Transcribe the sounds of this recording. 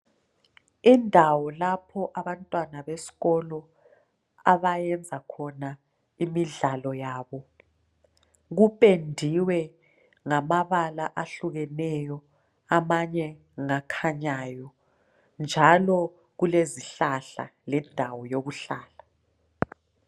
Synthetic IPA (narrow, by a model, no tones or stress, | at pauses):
indʱawɔlapʰɔʔaβantʼwanaβesi̥ɣɔlɔ | aβajɛnd͡zʱakʰɔna | imiɮalɔjaːβɔ | ɣupʼendʱiwɛ | ŋamaβalaʔaɬuɣɛnɛjɔ | amaɲɛ | ŋakʰaɲajɔ | nd͡ʒʱalɔ | ɣuleziɬaɬa̰lɛndʱawɔjoɣuɬaːɬa